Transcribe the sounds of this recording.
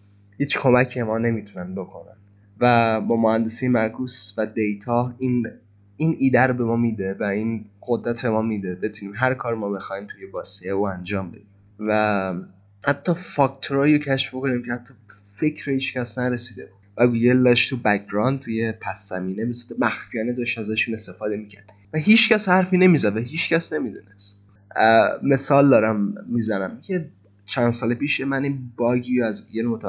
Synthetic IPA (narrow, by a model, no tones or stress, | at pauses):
hiːt͡ʃkʰo̞mæcʰiemɒːne̞mit̪ʰunænbokʰo̞næ̰n | væbɒːmohænd̪e̞siːjemæɾkʰuːsvæd̪ejt̪ʰɒːhiːn | iniːd̪æɾobe̞mɒːmiːd̪evæinɢod̪ɾæt̪ʰemɒːmiːd̪e̞be̞t̪ʰuniːmɦæɾkʰɒːɾmɒːbe̞xɒːiːmt̪ʰuje̞bɒːseeuænd͡ʒɒːmbe̞̰d̪im | væ | hæt̪ʰːɒfɒkt̪ʰoɾɒːjocʰæʃfboko̞niːmcʰehæt̪ʰːɒ | fecʰɾehiːt͡ʃcæsnæɾesiːd̪ebuvæɡujelːɒʃt̪ʰubæk̚ɾɒːnd̪̚t̪ʰujepʰæsːæmiːnemisd̪mæxfijɒːned̪ɒʃæzæʃune̞st̪e̞fɒːd̪e̞micʰæ̰ɾd̪̥ivæɦiːt͡ʃʰcæshæɾfine̞miːzæd̪væɦiːt͡ʃcʰæsne̞mid̪uːnest̪ | me̞sɒːld̪ɒːɾæmːiːzænæmcʲʰe | t͡ʃʰænsɒːlepiːʃjemæninbɒːɡiɾoæzɡujelmot̪ʰæ